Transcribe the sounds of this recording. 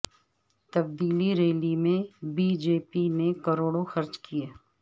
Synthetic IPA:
t̪ɐbd̪iːliɾeːlimẽbiːd͡ʒeːpinekɐɾoːɽoxɐɾt͡ʃkijeː

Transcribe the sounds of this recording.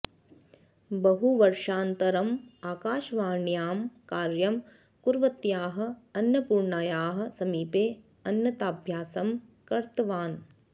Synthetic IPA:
bɐɦuʋɐɾʃaːnt̪ɐɾɐmaːkaːʃʋaːɳjaːmkaːɾjɐm | kuɾʋɐt̪jaːɦɐ̆ɐnjɐpuːɾɳaːjaːɦɐ̆sɐmiːpeː | ɐnjɐt̪aːbʱjaːsɐmkɐɾt̪ɐʋaːn

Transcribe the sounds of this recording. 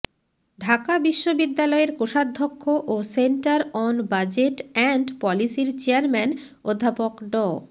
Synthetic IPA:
ɖʱakabiʃːobid̪ːalɔeɾkoʃad̪ʱːokʰːoʔoseɳʈaɾɔnbad͡ʑeʈɛɳɖpɔlisiɾt͡ɕeaɾmɛn | od̪ʱːapokɖɔ

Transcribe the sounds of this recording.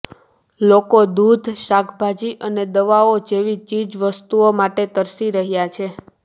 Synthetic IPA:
lokod̪ud̪ʱʃakʰbʱad͡ʒiʔəned̪əʋaod͡ʒeʋit͡ʃid͡ʒʋəst̪uomaʈet̪əɾsiɾəɦjat͡ʃʰe

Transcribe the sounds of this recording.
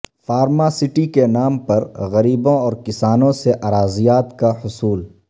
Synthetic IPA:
faːɾmasɪʈikenaːmpɐɾɣɐɾiːbõɔːɾkɪsaːnõseʔaɾaːzijaːt̪kahʊsuːl

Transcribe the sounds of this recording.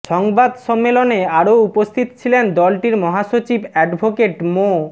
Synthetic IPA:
ʃɔŋbad̪ʃɔmːeloneaɾoupost̪ʰit̪ot͡ɕʰilend̪ɔlʈiɾmɔɦaʃot͡ɕibɛɖbʱokeʈmo

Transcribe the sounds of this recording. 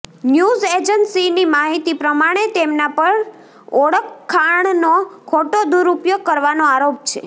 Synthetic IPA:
njuzed͡ʒənsinimaɦit̪ipɾəmaɽ̃et̪emnapəɳ | oɽəkʰːaɳnokʰoʈod̪uɾupjoɡ̚kəɾʋanoaɾop̚t͡ʃʰḛ

